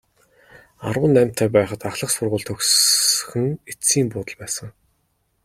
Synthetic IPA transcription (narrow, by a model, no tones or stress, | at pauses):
aɾʊ̆ːnːæm̥ʲt̪ʰæːpæːχə̆t̪aχɮə̆qsʊrʁʊːɮt̪ʰɵksxɘ̆ŋet͡siːmpʊːt̪ə̆ɮpæːsə̆ŋ